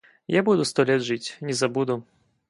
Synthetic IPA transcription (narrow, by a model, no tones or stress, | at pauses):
jabud̪ʊst̪ɔlʲɛd̪ʐɨt͡sʲnʲɛzabud̪ʊ